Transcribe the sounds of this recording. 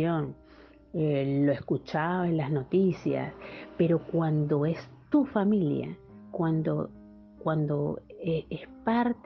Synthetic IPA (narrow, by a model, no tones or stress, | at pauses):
oŋ | eloeskut͡ʃaoelazno̞t̪isja̰spe̞ɾo̞kwand̪o̞e̞st̪ufamilja̰ | kwand̪o̰ | kwand̪o̞eespaɾt̪